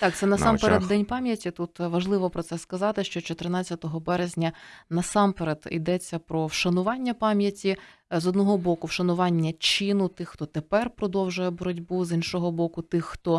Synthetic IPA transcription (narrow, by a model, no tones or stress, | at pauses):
t̪ɑk̚t̪sɛnɐsɑmpeɾed̪ːɛnʲpɑmʲjɐtʲit̪ut̪ʋɐʒlˠɪʋɔpɾɔt̪sɛskɐzɑt̪ɪʃt͡ʃɔt͡ʃɔt̪ɪrnɑt͡sʲːɐt̪ɔɦɔbɛɾezʲnʲɐnɐsɑmpeɾed̪ḭd̪ɛt͡sʲːɐpɾɔwʃɐnʊʋɑnʲːɐpɑmʲjɐtʲizɔd̪nɔɦɔbɔkʊwʃɐnʊʋɑnʲːɐt͡ʃinʊt̪ɪxːt̪ɔt̪epɛrpɾɔd̪ɔwʒʊjɛbɔɾɔdʲbuzinʃɔɦɔbɔkʊt̪ɪxːt̪ɔ